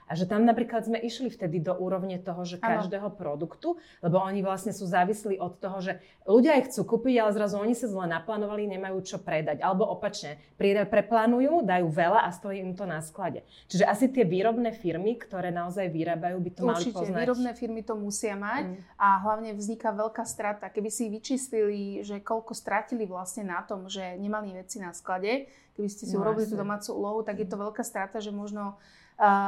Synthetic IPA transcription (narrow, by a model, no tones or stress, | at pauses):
ʔaʒɛt̪amnapɾiːklad̪zmɛʔiʃlift̪ɛd̪id̪ɔʔuːɾɔʊɲɛt̪ɔɦɔʒɛkːaʒd̪ɛːɦɔpɾɔd̪ukt̪u | lɛbɔɔɲiʋlasɲɛsuːzaːʋisliʔɔt̪ːɔɦɔʒɛ | luɟɪaːjxt͡suːkuːpiɟalɛzɾazuɔɲisazlɛnaplaːnɔʋaliɲɛmajuːt͡ʃɔpɾɛd̪aɟalɛbɔʔɔpat͡ʃɲɛ | pɾiɛd̪pɾɛplaːnujuːd̪ajuːʋɛlaʔast̪ɔjiimt̪ɔnasklaɟɛ̰ | t͡ʃiʒɛʔasit̪ɪɛʋiːɾɔbnɛːfiɾmikt̪ɔɾɛːnaɔzajʋiɾaːbajuːbit̪ɔumɾalit͡ʃicpɔɛnaiːɾɔbnɛːfiɾmit̪ɔmusɪamacaɦlaʊɲɛvzɲikaʋɛʎkaːst̪ɾat̪akɛbisiʋit͡ʃiːsliliʒɛkɔʎkɔst̪ɾaciliʋlasɲɛnat̪ɔmʒɛɲɛmaliʋɛt͡sinasklaɟɛ | kɛbiscɛsiuɾɔbilit̪ud̪ɔmaːt͡suṵlɔɦut̪aɡjɛt̪ɔʋɛʎkaːst̪ɾat̪aʒɛmʊɔʒnɔ